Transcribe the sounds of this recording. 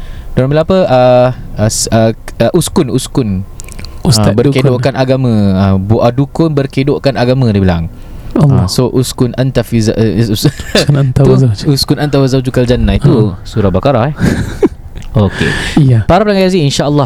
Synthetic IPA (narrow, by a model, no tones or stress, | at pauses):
doɾanmbilaŋapəə | səəʔuskʊnuskʊn | abərkedoʔkanaɡamə̃abuʔadukʊnbərkedoʔkanaɡamãdibila̰ŋ | soʔuskʊnʔant̪afiza | nat̪auuskuʊnant̪awazawd͡ʒukald͡ʒanːãit̪usuɾabakaɾahɛ | okḛapaɾap̚laŋajaziinʃaʔəlːa